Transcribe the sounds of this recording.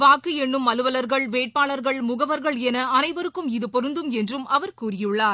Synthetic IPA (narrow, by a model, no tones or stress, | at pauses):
ʋaːkːɯɛɳːɯmːɐlɯʋɐlɐɾɣɐɭʋeːʈ̚paːɭɐɾɣɐɭmʊɣɐʋɐɾɣɐɭɛnɐɐnɐɪʋɐɾɯkːɯmɪðɯpɔɾɯnd̪ɯmɛndrɯmɐʋɐɾkuːrɪjɯɭːaːɾ